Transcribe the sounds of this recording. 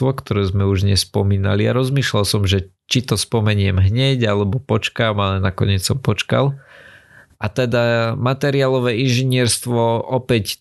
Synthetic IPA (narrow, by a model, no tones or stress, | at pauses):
ɔkt̪ɔɾɛːzmɛuʒɲɛspɔmiːnalia̰ɾɔzmiːʃlalsɔmʒɛt͡ʃit̪ɔspɔmɛɲɪɛmɦɲɛɟalɛbɔpɔt͡ʃkaːmalɛnakɔɲɪɛt͡ssɔmpɔt͡ʃka̰l | ʔat̪ɛd̪amat̪ɛɾiaːlɔʋɛːinʒiɲɪɛɾst̪ʋɔʔɔpɛc